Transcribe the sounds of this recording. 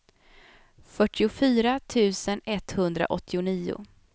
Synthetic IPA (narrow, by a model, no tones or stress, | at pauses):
fœʈːɪʊfyːɾat̪ʰʉ̟ːsənɛt̪ːhɵnd̪ɾa̰ʔɔt̪ʰːɪʊniːʊ̰